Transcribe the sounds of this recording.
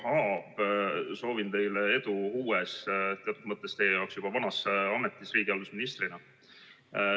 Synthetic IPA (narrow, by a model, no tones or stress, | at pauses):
hɑb̥so̞ːvint̪e̞jlee̞d̪̥uuːest̪eɑt̪ˑud̪mɤt̪ːˑest̪e̞jejɑwksjub̥ɑvɑnɑsɑmet̪ːˑisriːɡ̥iɑld̪usminist̪rinɑ